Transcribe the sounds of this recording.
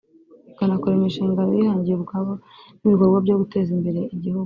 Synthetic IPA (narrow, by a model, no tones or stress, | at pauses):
ikanakoɾaimiʃiːŋɡano̰jihaːɲɟijeβuɡaβoniβiɡoɾɡwabɟoɡute̞ːzimbe̞ɾe̞iɟihuɡu